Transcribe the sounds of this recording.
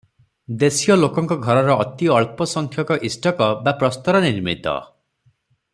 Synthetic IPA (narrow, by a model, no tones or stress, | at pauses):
d̪esijɔlokɔŋkɔɡʱɔɾɔɾɔʔːt̪iɔɭpɔsɔŋkʰjɔkɔʔisʈɔkɔbapɾɔst̪ɔɾɔniɾmḭt̪ɔ̰